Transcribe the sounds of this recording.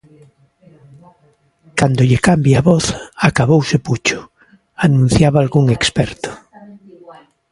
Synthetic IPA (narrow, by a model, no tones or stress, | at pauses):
kand̪oʎekambjaβɔθakaβowseput͡ʃʊ̥ | anũn̟θjaβaːlɣuŋekspɛɾt̪ʊ̥